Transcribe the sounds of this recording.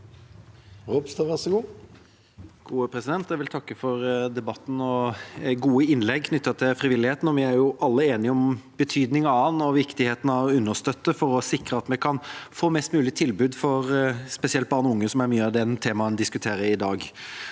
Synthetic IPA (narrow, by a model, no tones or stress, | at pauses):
ɾubst̪ɑʋæʁsɔɡuː | ɡ̥uːəpʰɾɛsɪd̪ɛnt̪jæɪʋɪlt̪ʰɑkːəfɔɾd̪ɛbɑt̪ːn̩ɔɡuːəɪnlɛɡ̚kʰnʏt̪ːət̪ʰɪlfɾɪʋɪlːɪheːt̪n̩ɔʋɪæɾjʊʔɑlːəeːnɪɔmb̥ət̪ʰyːd̪nɪŋɑɑnːɔʋɪkt̪ɪheːt̪n̩ɑʉnːəʁst̪œt̪ːəfɔɾɔsɪkɾəɑt̪mɛkʰɑnfoːmɛst̪mʉːlɪt̪ʰɪlbʉːd̪fɔʁspɛsɪɛlt̪̚bɑːʁnɔʊŋːəsɔmæɾmyːəɑd̪ɛnt̪ʰeːmɑənd̪ɪskʉt̪ʰeːɾəɪd̪ɑːɡ